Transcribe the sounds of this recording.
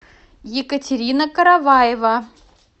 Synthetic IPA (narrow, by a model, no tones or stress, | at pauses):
jɪkətʲɪɾʲinəkəɾavajɪvə